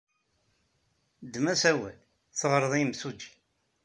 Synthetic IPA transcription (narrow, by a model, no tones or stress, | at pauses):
d̪mæsæwæl | θəʁəɾˤðˤimsud͡ʒ